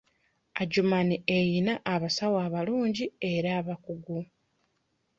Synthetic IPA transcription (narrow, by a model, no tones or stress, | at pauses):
aɟumaniejinaʔːβasawaːβaluːɲɟie̞ɾaːβakuɡu